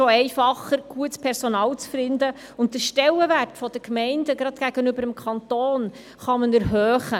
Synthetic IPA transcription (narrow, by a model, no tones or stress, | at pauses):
ʃoɛɪfɑχəɾɡ̥uətspʰɛɾsɔnɑːlt͡sfɪndə | ʊnt̚dəʃtɛlːəʋærtfɔd̥əkmɛɪndəɡɾɑd̥ɡ̥æɡənʏbəɾəmkʰɑnt̪oːn | χɑmənɛɾɦøːχə